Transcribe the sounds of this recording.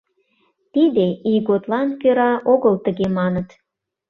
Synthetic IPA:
t̪id̪eiɣot̪lɑnkøɾɑʔoɣəlt̪ə̆ɣemɑnət̪

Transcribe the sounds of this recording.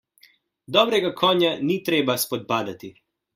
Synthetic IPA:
d̪ɔbɾɛɡakʰɔɲanit̪ɾeːbaspɔd̪̚paːd̪at̪i

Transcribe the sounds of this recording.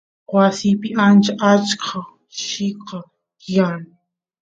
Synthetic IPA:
wasɪpɪʔant͡ʃaʔat͡ʃkʰa | ʃɪqɑ | janɪ

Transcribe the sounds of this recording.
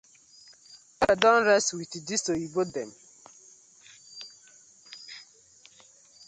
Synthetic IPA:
ɛadɔ̃nɹɛstwitidisoibodɛm

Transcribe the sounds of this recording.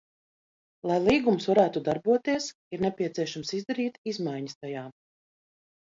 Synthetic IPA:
lˠajlˠiːɡumusvaɾæːt̪ud̪aɾbuɔt̪iɛs | iɾnɛpʲiɛt̪siɛʃamsizd̪aɾiːt̪izmajɲəst̪ajaː

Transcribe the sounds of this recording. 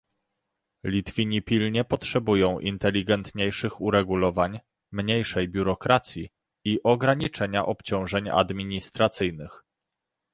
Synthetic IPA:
lʲit̪fʲiɲipʲilɲɛpɔtʂɛbujɔ̃w̃ʔḭnt̪ɛlʲiɡɛnt̪ɲejʂɘxuɾɛɡulɔvaɲ | mɲejʂɛjbʲjuɾɔkɾat̪sʲji | iʔɔɡɾaɲit͡ʂɛɲaʔɔpt͡ɕɔ̃w̃ʐɛɲa̰d̪mʲiɲist̪ɾat̪sɘjnɘx

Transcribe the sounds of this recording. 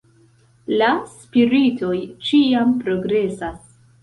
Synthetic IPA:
laspiɾito̞jt͡ʃiampɾo̞ɡɾe̞sas

